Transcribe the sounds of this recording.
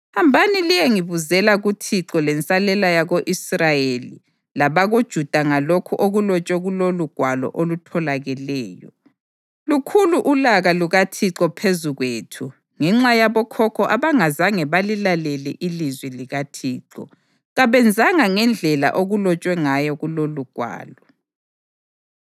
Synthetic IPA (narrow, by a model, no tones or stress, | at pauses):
hambʱanilijɛŋiβuzɛlaɣutʰiǁɔlɛnt͡sʼalɛlajaɣoʔisrajelḭ | laβaɣod̥ʒ̥ʱud̥ʱaŋalokʰuʔoɣulɔt͡ʃʼwɛɣuloluɡ̥ʱwalɔ̰ʔolutʰɔlaɣɛlɛːjɔ | lukʰuluʔulaɣaluɣatʰiǀɔpʰezuɣweːtʰu | ŋɛŋ͡ǁajaβɔkʰɔkʰɔʔaβaŋazaŋɛβalilalɛlɛʔilizwiliɣatʰiːǁɔ̰ | ɣaβɛnd͡zʱaŋaŋɛnd͡ɮʱɛla̰ʔoɣulɔt͡ʃʼwɛŋajɔɣuloluɡ̥ʱwa̰ːlɔ